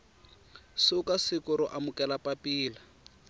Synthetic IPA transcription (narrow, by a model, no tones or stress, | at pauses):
sɪʊkasɪkʊɾɔʔamʊkɛlapapiːla